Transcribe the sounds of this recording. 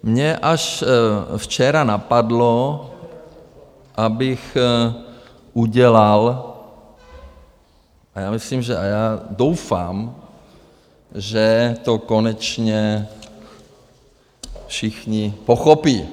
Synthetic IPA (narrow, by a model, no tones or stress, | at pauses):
mɲɛʔaʃ | ft͡ʃɛɾanapadlo | ʔabɪx | ʔuɟɛlal | ʔajaːmisliːmʒɛajaːdowfa̰ːm | ʒɛt̪okonɛt͡ʃɲɛ | fʃixɲɪpoxopiː